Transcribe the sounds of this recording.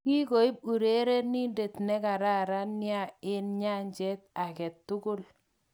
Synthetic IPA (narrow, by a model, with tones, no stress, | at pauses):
ki˦ko˨˦i˦b̚u˨ɾe˦ɾe˦ni˦nde˨tnɛ˦ka˨ɾa˦˨ɾa˦nɪ˦a˦˨ɪ˦nɲa˦ɲd͡ʒɛ˦t̚a˨kɛ˨tːʊ˦kʊ˦l